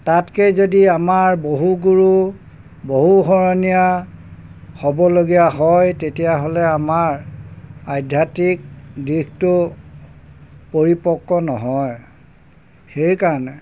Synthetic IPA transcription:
tatkejzodiamaɹboɦuɡuɹu | boɦuɦɔɹɔnija | xɔbɔloɡijaɦɔjtetijaɦolɛamaɹ | ajdʱjatik̚diktʊ | poɹipɔkːɔnɔ̰ɦɔj | xejkaɹɔnɛ

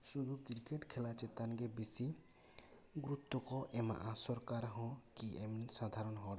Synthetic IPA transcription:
suɡukiɾkeʈkʰɛlat͡ʃɛt̪anɡebesi | ɡɾut̪ːɔkɔʔɛma̰ʔasɔɾkaɾɦɔ̃kiʔɛmsad̪ʱaɾɔnɦɔ̃ɾa

